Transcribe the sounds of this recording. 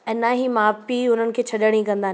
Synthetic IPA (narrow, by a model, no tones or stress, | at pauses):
ɛ̃ːnaɦimaːpiʊn̤ənɪ̆kʰeːt͡ɕʰɐɗəɽ̃ikɐ̃nd̪aː